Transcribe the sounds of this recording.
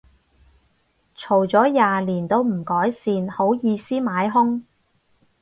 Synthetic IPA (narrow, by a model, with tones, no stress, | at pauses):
t͡ʃʰo˨˩wt͡sɔː˨˥jaː˨liː˨˩nt̪o˥wm̩˨˩kɔː˨˥jsiː˧nho˨˥wjiː˨˧siː˥maː˨˥jɦʊ˥ŋ